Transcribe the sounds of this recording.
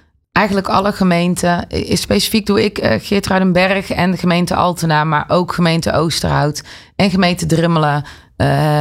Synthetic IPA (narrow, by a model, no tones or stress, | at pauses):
ʔɛjɣənləkɑ̰ləɣəmejntəspejsi̥fiɡ̚duɪkxɪːtraɥdənbɛrxɛ̰ndəɣəmejntəɑ̰lˠtənaːmaːɹʔowkχəmejntə̰owstə̰rɦɑ̰wt | ɛnɣəmejntədrɪmələ